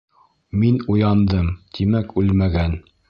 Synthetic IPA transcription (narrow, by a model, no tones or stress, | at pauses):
minujɑnd̪ɤmt̪ʰimækʉlmæɡæn